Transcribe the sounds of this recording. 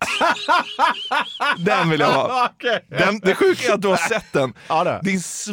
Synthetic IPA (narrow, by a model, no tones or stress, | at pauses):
d̪ɛnvɪljavɑ̰ːkd̪ɛnd̪ɛɧʉ̟ːkaɾat̪̚d̪ɵhaɾsɛt̪ːd̪ɛnːdɛ̰d̪ɪns